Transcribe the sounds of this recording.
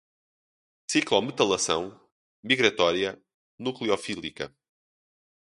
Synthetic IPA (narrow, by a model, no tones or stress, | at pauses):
siklˠɔmɨt̪ɐlˠɐsɐ̰̃w̃ | miɣɾɐt̪ɔɾjɐ | nuklˠiɔfilˠikɐ̰